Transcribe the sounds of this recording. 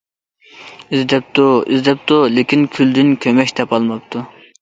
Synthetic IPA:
izd̪ɛp̚t̪ʰuḭzd̪ɛp̚t̪ulekʲinkʲʰyld̪ɪnkʲʰømɛkʲt̪ʰɛpɑlˠmɑp̚t̪ʰu

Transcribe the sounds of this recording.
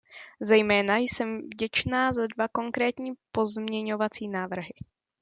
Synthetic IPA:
zɛjmɛːnajsɛmvɟɛt͡ʃnaːzadvako̞ŋkɾɛːt̪ɲiːpo̞zmɲɛɲo̞vat͡siːnaːvr̩ɦɪ

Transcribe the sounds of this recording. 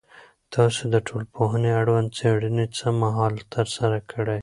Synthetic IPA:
t̪ɑsod̪əʈʰolpoɦəneaɽwɐnd̪̚t͡seɽinet͡səmaɦɑːlt̪ɐɾsɐɾakʰɐɽej

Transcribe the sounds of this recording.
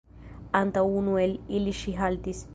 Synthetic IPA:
ant̪aunueliliʃiɦalt̪is

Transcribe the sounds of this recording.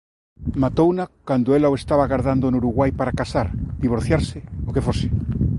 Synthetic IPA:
mat̪ownakand̪oelaoest̪aβaɣaɾðand̪onuɾuɣwajpaɾakasaɾd̪iβ̞oɾθjaɾseokefose̥

